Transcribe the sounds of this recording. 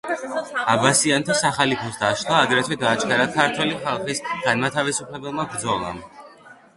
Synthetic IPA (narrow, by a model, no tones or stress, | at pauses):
abasiant̪ʰasaχalipʰɔsd̪aʃlˠaːd̪ɾɛt̪ʰwɛɡaːt͡ʃʰʼɡaɾakʰaɾt̪ʰwɛliχalˠχisɡ̥anmat̪ʰavisupʰlɛbɛlˠmabɾd̪zɔlˠa̰m